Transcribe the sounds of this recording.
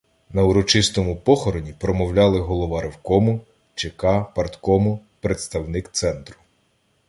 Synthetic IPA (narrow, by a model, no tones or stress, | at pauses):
nɐʊɾɔt͡ʃɪst̪ɔmʊpɔxɔɾɔnʲipɾɔmɔwlʲɑlˠɪɦɔlˠɔʋɑɾɔwkɔmʊ | t͡ʃekɑpɐrt̪kɔmʊpɾet̪st̪ɐwnɪkt̪sɛnt̪ɾʊ̥